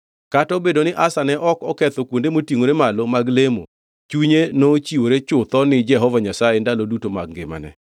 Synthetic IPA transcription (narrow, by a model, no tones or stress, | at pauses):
katɔbedonɪʔasanɛʔɔkɔkɛt̪okwondemotiŋoɾemalomaɡlemo̰ | t͡ʃuɲenot͡ʃiwoɾet͡ʃʊt̪ɔnɪd͡ʒɛɦɔvaɲasajendalodutoma̰ɡ̚ŋɡḛma̰nɛ̰